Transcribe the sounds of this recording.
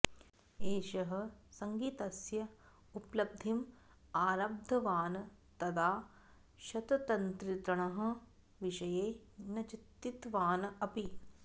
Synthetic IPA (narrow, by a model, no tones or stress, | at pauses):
eːʃɐɦɐ̆sɐŋɡiːt̪ɐsjɐ | uplɐb̚d̪ʱim | aːɾab̚d̪ʱɐʋaːnɐ | t̪ɐd̪aː | ʃɐt̪ɐt̪ɐnt̪ɾit̪ɾɐɳɐɦɐ̆ | ʋiʃɐjeːnɐt͡ʃit̪ːit̪ʋaːnɐɐpi